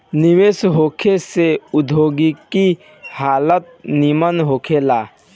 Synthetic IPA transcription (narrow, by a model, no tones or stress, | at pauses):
nɪʋeːsɦoːkʰeseʊd̪ʱoːɡiki | haːlət̪̚nimənɦoːkʰelaː